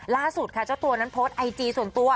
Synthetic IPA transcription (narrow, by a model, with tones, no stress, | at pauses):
laː˥˩su˨˩t̪̚kʰa˦˥˩t͡ɕa˥˩wt̪u˧ɐna˦˥npʰoː˦˥t̪̚ʔa˧jt͡ɕiː˧su˨˩ənt̪u˧ɐ